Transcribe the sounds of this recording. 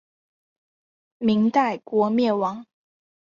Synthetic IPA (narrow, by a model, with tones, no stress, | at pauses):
mi˧˥ŋt̪a˥˩ɪkwɔ˧˥mjɛ˥˩wɑ˧˥ŋ